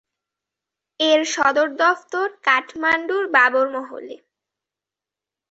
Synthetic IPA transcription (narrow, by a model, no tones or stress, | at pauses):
eɾʃɔd̪oɾd̪ɔft̪oɾkaʈʰmaɳɖuɾbaboɾmɔɦo̰le